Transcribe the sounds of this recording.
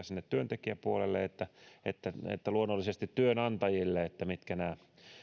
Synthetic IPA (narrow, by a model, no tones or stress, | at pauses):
sinːet̪tyønt̪ekiæpuolelːeet̪ːæet̪ːæḛt̪ːæluonːolːisest̪it̪tyønɑnt̪ɑjilːeet̪ːæmit̪kænæː